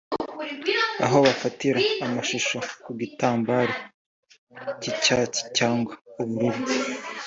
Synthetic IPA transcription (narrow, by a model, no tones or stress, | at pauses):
a̰ɦo̞βafatiɾaːmaʃuʃokuɡitaːmbaːɾe | cicaci̥caːŋɡwauβuɾiβu